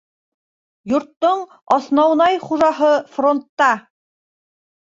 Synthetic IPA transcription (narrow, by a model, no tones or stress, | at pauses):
juɾt̪ːoɴ | ɑsnɑwnɑjχuʒɑɦɤfront̪ːɑ